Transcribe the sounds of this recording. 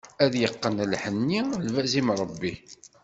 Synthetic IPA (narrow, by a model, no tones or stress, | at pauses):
æðjəqːənlħənːilvæzimɾˤəbːi